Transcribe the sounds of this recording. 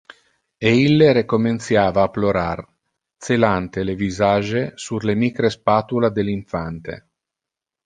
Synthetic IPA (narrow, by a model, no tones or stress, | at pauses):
eilːeɾekoment̪sjaːvaːploɾar | t̪selant̪elevizaːʒesurlemikɾespaːt̪ulad̪eliɱfant̪ḛ